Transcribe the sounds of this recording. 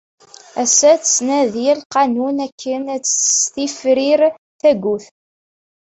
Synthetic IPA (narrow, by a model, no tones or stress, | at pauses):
æsæt͡ssnæðilqɑnunækʰːənæt͡sːst̪ifɾiɾ | θæɡʷuθ